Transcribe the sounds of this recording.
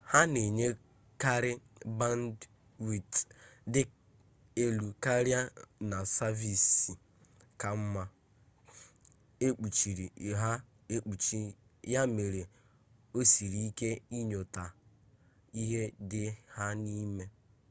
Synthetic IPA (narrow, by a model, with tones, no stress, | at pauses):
ha˦ne˨ɲe˦ | ka˦ɾɪ˦ba˦n˦d | wi˨tdɪ˦ | e˨lu˨ka˦ɾja˦na˨sa˦vi˨si˨ | ka˨m̩˦ma˦ | e˦k͡pu˨t͡ʃi˨ɾi˨ɦa˦ | e˦k͡pu˨t͡ʃi˦ | ja˦me˨ɾe˨ | o˦si˨ɾi˨i˦ke˦i˦ɲo˨ta˨ | i˦ɦe˦dɪ˦ha˦ni˦me˦